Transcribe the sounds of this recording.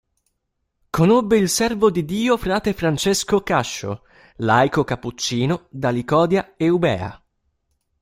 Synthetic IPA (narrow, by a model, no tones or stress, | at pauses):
konobːeilsɛrvod̪id̪iːofɾaːt̪efɾant͡ʃeskokaʃːo̰ | lajkokapːut͡ʃːiːnod̪alikɔːd̪jaeubɛ̰ːa̰